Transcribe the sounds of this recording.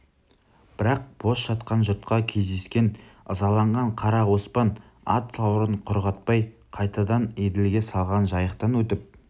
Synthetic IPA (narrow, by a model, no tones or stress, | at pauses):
b̥ɪɾɑq̚b̥o̞sʒɑt̪qɑnʒʊt̪̚qɑkʲʰe̞zd̪e̞skʲe̞nəzɑlˠɑɴʁɑɴqʰɑɾɑwospɑn | ɑ̰t̪sɑwɾəɴqʰʊɾʁɑt̪̚pɑj | qʰɑjt̪ɑd̪ɑned̪elɡʲe̞sɑlˠʁɑnʒɑjəqt̪ɑnwɵt̪ɪp̚